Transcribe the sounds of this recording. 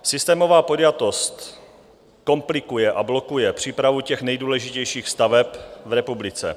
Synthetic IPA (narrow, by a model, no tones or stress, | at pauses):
sɪst̪ɛːmo̞vaːpodjat̪o̞st̪ | ko̞mplɪkujɛʔablo̞kujɛpr̝̥iːpɾavucɛxnɛjduːlɛʒɪcɛjʃiːxst̪avɛpvɾɛpublɪt͡sɛ̰